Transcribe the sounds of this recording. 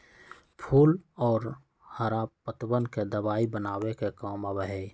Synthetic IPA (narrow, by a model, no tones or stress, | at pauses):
pʰuːlɔːɾ | həɾapət̪bənked̪əbaːibənaːwekekaːməbɦeː